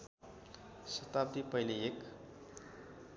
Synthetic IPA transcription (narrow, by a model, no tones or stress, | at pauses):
sʌt̪ab̚d̪ipʌjliek